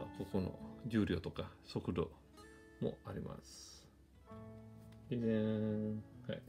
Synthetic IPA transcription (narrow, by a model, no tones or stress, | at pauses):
ko̞ko̞no̰d͡ʑɨːɾʲo̞ːt̪okasokɯ̟d̪o̰ | mo̞̰aɾʲimʔa̰sɨ̥ | izẽ | ha̰i